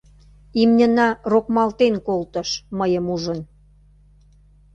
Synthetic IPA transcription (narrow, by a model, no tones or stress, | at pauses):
imnʲənɑrokmɑlt̪enkolt̪ə̆ʃməjəmuʒə̆n